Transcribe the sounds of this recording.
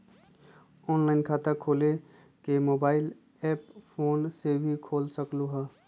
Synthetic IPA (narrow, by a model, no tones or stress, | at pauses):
ɔːnlaːɪnkʰaːt̪əkʰoːle | kemoːbaːɪl | ɛːppʰoːnsebʱikʰoːlsəkluɦɛː